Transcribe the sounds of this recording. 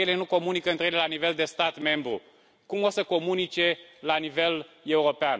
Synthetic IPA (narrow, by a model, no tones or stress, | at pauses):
jele̞nuko̞munikəɨnt̪ɾeelelanive̞ld̪e̞st̪at̪me̞mbɾṵ | kumosəko̞munit͡ʃe̞lanive̞le̞uɾo̞pean